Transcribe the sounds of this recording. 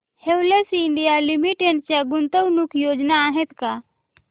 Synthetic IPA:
hewlesiɪɳɖijalimiʈeɳʈt͡ʃaɡʊnt̪əwnukʰjoːd͡ʒnaːɦet̪ka

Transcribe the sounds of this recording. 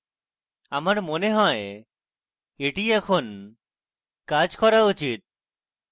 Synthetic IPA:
amaɾmoneɦɔe | eʈiɛkʰon | kad͡ʒkɔɾaut͡ʃit̪̚

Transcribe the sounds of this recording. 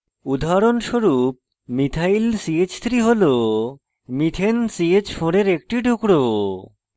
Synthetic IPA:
ud̪ʱaɾonʃoɾup̚ | mit̪ʰailsiet͡ɕt̪ʰɾiɦolo | mit̪ʰensiet͡ɕfʰoɾeɾek̚ʈiɖʱukɽo

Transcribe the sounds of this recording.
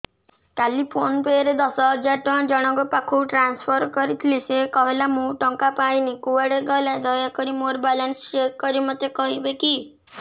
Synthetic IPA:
kalipʰonpeɾed̪ɔsɔɦɔd͡ʒaɾʈɔ̃d͡ʒɔɽ̃ɔɡɔpakʰuʈɾanspʰɔɾkɔɾit̪ʰilisekɔɦelamũʈɔŋkapajnikuaɽeɡɔjlad̪ɔjakɔɾimoɾbalanst͡ʃekːɔɾimɔt̪ːekɔɦibeki

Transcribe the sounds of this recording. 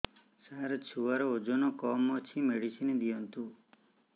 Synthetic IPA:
saɾt͡ʃʰuʋaɾɔod͡ʒɔnɔkɔmɔt͡ʃʰimeɽisined̪ijɔnt̪u

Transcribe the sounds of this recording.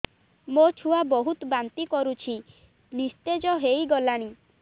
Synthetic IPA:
mot͡ʃʰuabɔɦut̪bant̪ikɔɾut͡ʃʰi | nist̪ed͡ʒɔɦejɡɔlaɽ̃i

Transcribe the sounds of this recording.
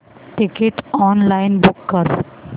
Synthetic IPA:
ʈɪkɪʈɔːnlaɪnbʊkːəɾ

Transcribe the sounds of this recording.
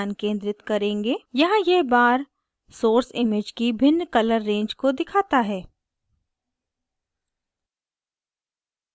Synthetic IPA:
nkẽːnd̪ɾɪt̪kɐɾẽːŋɡeːjɐɦãjɛɦbaːɾ | soːɾsɪmɪd͡ʒkibʱɪnːkɐləɾːẽːɲd͡ʒkod̪ɪkʰaːt̪aɦɛː

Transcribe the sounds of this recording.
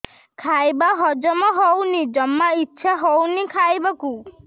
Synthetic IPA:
kʰajbaɦɔd͡ʒɔmɔɦownid͡ʒɔmːaitːʃʰaɦɔwnikʰajbaku

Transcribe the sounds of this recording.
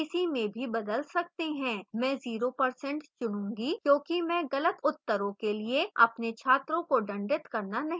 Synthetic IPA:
ɪsimẽbʱibɐd̪əlsɐk̚t̪eɦɛ̃ːmɛ̃ːziːɾopɐɾsɛ̃ɳʈt͡ʃʊnũːɡikjõːkimɛ̃ːɣɐlət̪ʊt̪ːəɾõkelieɐ̰pnet͡ʃʰaːt̪ɾõkoɖɐ̃ɳɖɪt̪kɐɾnanɐɦĩ

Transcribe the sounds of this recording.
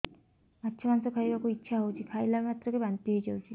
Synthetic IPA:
atːʃʰɔmanɔsɔkʰaibakuitːʃʰaɦowt͡ʃʰikʰajlabmat̪ɾɔkebant̪jiɦojd͡ʒawt͡ʃʰi

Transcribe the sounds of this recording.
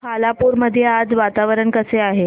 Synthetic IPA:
kʰalapuɾməd̪ʱːjead͡zʋat̪aʋəɾəɳkəseaɦe

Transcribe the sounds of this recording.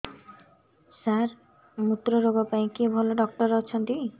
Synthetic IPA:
saɾ | mut̪ɾoɾoɡɔpaĩkibʱɔloɖɔk̚ʈɔɾɔt͡ɕʰɔnt̪i

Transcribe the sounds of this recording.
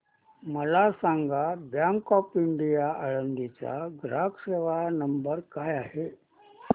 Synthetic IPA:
məlasaŋɡʱabjaŋkɔpiɳɖijaəɭənd̪it͡sa̰ɡɾakseʋanəmbəɾkajaɦe

